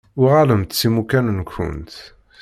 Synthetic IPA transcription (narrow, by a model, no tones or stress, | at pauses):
ʊʁaləmt̪t͡sːimukænnkʷʰːʊ̰nt̪